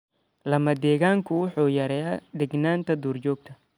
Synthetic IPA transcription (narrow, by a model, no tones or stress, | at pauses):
lɐmɐd̪ɛːɣaːŋkʰʊwʊħuːjɐɾɛːjad̪ɛɡnaːnt̪ʰɐd̪uːrt͡ʃɔːɡ̚t̪ʰɐ